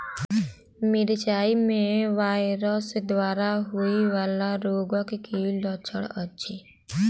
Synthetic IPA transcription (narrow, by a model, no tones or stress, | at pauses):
mɪɾt͡ʃaːimẽʋaːɪɾəsd̪waːɾaɦuiʋaːlaɾoːɡəkkilɔt͡ʃʰəɽətːʃʰiː